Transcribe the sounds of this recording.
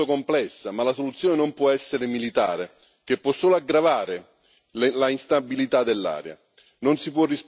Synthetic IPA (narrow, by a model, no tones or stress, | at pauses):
okomplɛsːamalasolut̪sːjoːnenompwɔɛsːeɾemilit̪aːɾe | k̟epːwɔsːoːloaɡɾavaːɾe | llainst̪abilit̪ad̪ːelːa̰ːɾja̰ | nonsip̬wɔrːis